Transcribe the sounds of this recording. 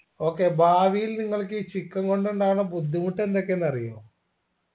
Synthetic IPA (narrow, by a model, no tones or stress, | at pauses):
o̞ːkːebaːʋijilniŋːɐɭk̬ɨt͡ɕikːɐŋko̞ɳɖuɳɖaːɳɨbud̪ʱːimuʈːe̞nd̪o̞kːenːɐrijo̰ː